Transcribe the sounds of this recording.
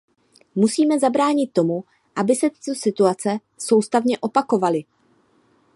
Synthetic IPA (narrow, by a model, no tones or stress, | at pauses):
musiːmɛzabɾaːɲɪt̪̚ːo̞mu | ʔabɪsɛt̪ɪ̥t̪o̞sɪt̪uat͡sɛ | so̞wst̪avɲɛʔo̞pako̞valɪ